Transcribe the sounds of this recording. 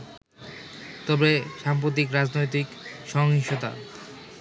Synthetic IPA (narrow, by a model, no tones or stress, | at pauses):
t̪ɔbeʃamp̬ɾot̪̬ikɾad͡ʑnojt̪̬ikʃɔŋiʃot̪a̰